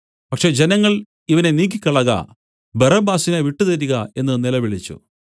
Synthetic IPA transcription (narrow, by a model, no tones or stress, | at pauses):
pɐkʂe̞ːd͡ʑenɐŋːɐɭ | iʋɐne̞niːk̬ːikʲːɐɭɐɣɐ̰ | bɐrɐbaːsineʋiʈːut̪ɐɾuɣɐe̞nːɨnilɐʋiɭit͡ɕːṵ